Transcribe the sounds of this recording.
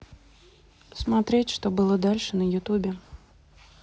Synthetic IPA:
smɐt̪ɾʲetʲʂt̪obɨlˠəd̪alʲʂɨnəjʊt̪ubʲɪ

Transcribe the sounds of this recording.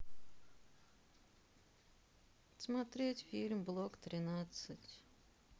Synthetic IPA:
smat̪ɾʲetʲfʲilʲmblˠokt̪ɾʲɪnat̪sɨtʲ

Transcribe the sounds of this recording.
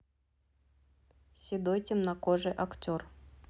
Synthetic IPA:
sʲid̪ojtʲɪmnakoʐɨʔaktʲor

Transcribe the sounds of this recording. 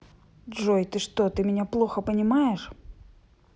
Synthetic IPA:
ʐojt̪ɨʂt̪ot̪ɨmʲɪnʲaplˠoxəpənʲɪmajɪʂ

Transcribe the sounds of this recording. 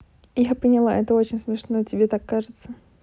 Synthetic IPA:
japənʲɪlˠa̰ʔɛt̪əo̞t͡ɕɪnʲsmʲɪʂnojətʲɪbʲet̪akːaʐɨt̪sə

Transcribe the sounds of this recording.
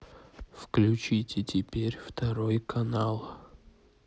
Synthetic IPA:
fklʲʉt͡ɕitʲɪtʲɪpʲeɾʲft̪ɐɾojkʰɐnalˠ

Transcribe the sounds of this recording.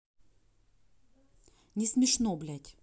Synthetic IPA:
nʲɪsmʲɪʂnoblʲætʲ

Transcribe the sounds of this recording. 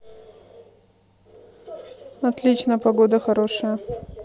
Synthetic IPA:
ɐt̪lʲit͡ɕnəjpɐɡod̪əxɐɾoʂɨjə

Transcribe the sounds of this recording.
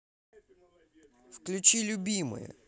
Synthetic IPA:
fklʲʊt͡ʃilʲʊbʲimɔ̰jʊ̰

